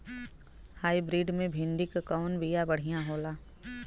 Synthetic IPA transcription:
haːibɾiːɖmẽbʱɪ̃ɳɖɪkkɔːnbijabɐɽ̤ijãɦoːlaː

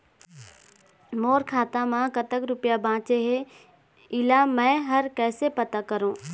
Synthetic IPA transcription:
moːɾkʰaːt̪ãmãkɐt̪əkɾʊpijabʱãːt͡ɕeɦe | ɪlamɛ̃ːɦɐɾkɛːsepɐt̪akɐɾõː

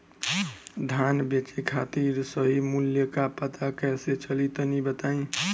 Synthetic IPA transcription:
d̪ʱanbet͡ʃikʰat̪iɾsəɦimuljəkapət̪akɛset͡ʃəlit̪ənibət̪aĩ

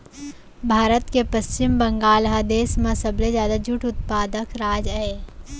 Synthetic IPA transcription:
bʱaːɾət̪kepəst͡ʃɪmbɐ̃ŋɡaːlɦad̪eːsmãsɐblezjaːd̪ad͡ʒʊʈʰʊt̪paːd̪əkɾaːd͡ʒɛ

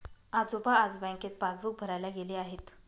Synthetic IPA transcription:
ad͡zopaːd͡zbãj̃ŋket̪̚pad͡zbuk̚bʱəɾajlaɡeleːaɦet̪

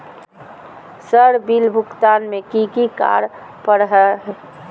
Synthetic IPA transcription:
səɾbilbʱʊkt̪anmekikika̰ɾ | pəɾɦɛɦ

